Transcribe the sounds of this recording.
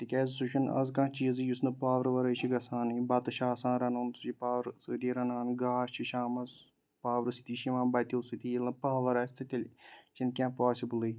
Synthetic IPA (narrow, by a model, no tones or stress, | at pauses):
t̪ɨkʲɐzsuʃʰinɐ̰zkãːt͡ʃiːzɨjusnɨpaːʋɐɾʋɐɾɐjt͡ʃiɡɐsãːnɨbɐt̪ɨʃaːsãːnɾɐnunsut͡ʃipaːʋɾsɨːd̪iɾɐnaːnɡaːst͡ʃʰiʃaːmɐz | paːʋɾɨsit̪iːʃiʋãːnbɐt̪iusɨt̪ilɐpaːʋɐɾɐːsʲt̪ʰɨt̪ʲɐlʲt͡ʃinkʲãːpaːsʲibɨlɨj